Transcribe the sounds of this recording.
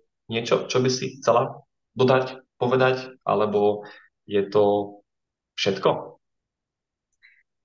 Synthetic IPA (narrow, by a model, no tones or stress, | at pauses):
ɲɪɛt͡ʃɔt͡ʃɔbisixt͡sɛla | d̪ɔd̪acpɔʋɛd̪acʔa̰lɛbɔ | jɛt̪ɔ | fʃɛt̪kɔ